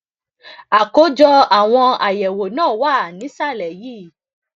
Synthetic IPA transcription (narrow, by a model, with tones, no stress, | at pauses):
a˨ko˨˦d͡ʒɔ˧a˨w̃ɔ̃˧a˨jɛ˨wo˨nãː˦˨wa˦˨nĩ˨˦sa˦˨lɛ˨jiː˦˨